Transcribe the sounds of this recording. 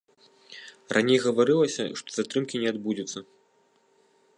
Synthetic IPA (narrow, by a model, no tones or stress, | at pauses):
rʔanʲejɣɐvaɾɨlˠɐsʲɐ̰ʂt̪ɔ̥zat̪ɾɨmkʲinʲɛad̪bud͡zʲut̪sːɐ